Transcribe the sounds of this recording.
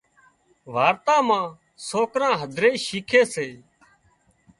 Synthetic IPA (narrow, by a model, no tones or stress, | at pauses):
ʋaːɾt̪ãːmãː | soːkɾãːɦəd̪ʱɾeːʃiːkʰeːseː